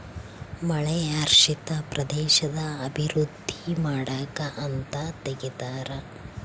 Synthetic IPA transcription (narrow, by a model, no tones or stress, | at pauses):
mɐɭɛaːɾʂit̪ɐpɾʔɐd̪ɛːʃɐd̪ɐɐbʱiɾud̪ʱːimaːɽaːkɐʔɐnt̪ɐt̪eɡit̪aːɾɐ